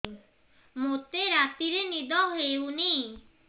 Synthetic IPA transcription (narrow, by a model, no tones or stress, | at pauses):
mot̪eɾat̪iɾenid̪ɔɦeuni